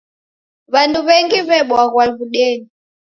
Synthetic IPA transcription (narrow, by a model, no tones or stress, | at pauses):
βanduβɛŋɡiβɛɓwaɣwalβuɗɛːni